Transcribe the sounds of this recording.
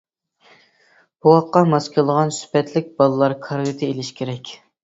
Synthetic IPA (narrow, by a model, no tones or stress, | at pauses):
b̥uʁɑqːɑmɑskʰʲolˠəʁɑnsy̥pʰɛt̪ʰlɪk̚ʲbɑlˠɨlˠɑɾkʰɑɾʁit̪ʰɨelɪʃkʲʰeɾɛkʲ